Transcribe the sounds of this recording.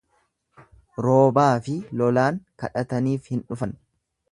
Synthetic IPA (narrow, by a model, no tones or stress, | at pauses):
ɾoːbaːfɪlɔlaːŋkɐᶑɐt̪ɐniːfhɪnᶑʊfɐn